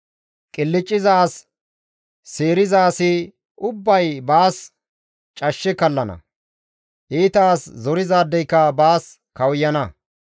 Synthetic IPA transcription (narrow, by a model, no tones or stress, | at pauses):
kʼɪlːɪt͡ʃʼːɪzaːs | eːɾɪzaːsɪ | ʊbːɐjbaːs | t͡ʃʼɐʃːɛkɐlːɐnɐ̰ | ʔiːt̪aːszɔɾɪzaːd̪ːɛjkːɐbaːs | kɐwjːɐnɐ